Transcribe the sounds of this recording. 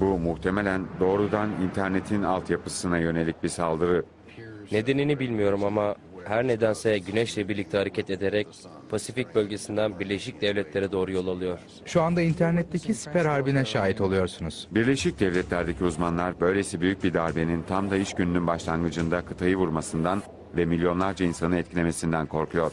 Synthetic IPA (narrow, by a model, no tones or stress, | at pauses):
bumuht̪ʰe̞melʲænd̪o̞ːɾud̪anint̪ʰæɾne̞t̪ʰinalˠt̪japɯsɯnajø̞ne̞lʲic̚bisalˠd̪ɯɾɯ | ne̞d̪e̞ninibilʲmijo̞ɾumama | hæɾne̞d̪ænsɛɟynɛʃlʲɛbiɾlʲic̚t̪ʰɛɦaɾecʰɛt̪e̞d̪eɾɛc̚ | pʰasific̚bø̞lʲɟe̞sind̪ænbiɾlʲe̞ʃic̚d̪ɛvlʲɛt̪lʲe̞ɾɛd̪o̞ːɾujo̞lˠalˠɯjo̞ɾ̥ | ʃuand̪aint̪ʰæɾnɛt̪ʰːecʰisi̥pæɾaɾbinɛʃaːɦit̪ʰo̞lˠujo̞ɾsunuz̥biɾlʲe̞ʃic̚d̪ɛvlʲɛt̪lʲæɾd̪ecʰiuzmanlˠaɾbø̞jlʲesibyjyc̚bid̪aɾbe̞nint̪ʰamd̪aiʃɟynynynbaʃlˠanɡɯd͡ʒɯnd̪akʰɯt̪ʰajɯvuɾmasɯnd̪an | vɛmilʲjo̞nlˠaɾd͡ʒainsanɯnɛt̪cʰilʲe̞me̞sind̪ænkʰo̞ɾkʰujo̞ɾ̥